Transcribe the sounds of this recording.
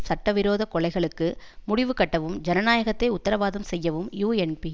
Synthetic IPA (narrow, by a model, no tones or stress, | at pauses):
sɐʈːɐʋɪɾoːðɐkɔɭɐɪɣɐɭɯkːɯmʊɽɪʋɯkɐʈːɐʋɯmd͡ʒɛnɐnaːjɐɣɐt̪ːɐɪʊt̪ːɐɾɐʋaːðɐmsɛjːɐʋɯmjuːɛnpi